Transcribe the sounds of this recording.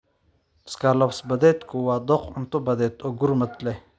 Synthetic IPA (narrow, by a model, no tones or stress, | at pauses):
skalɐfsbɐd̪et̪kuwaːd̪oqʊnt̪ubɐd̪et̪oɡuɾmət̪le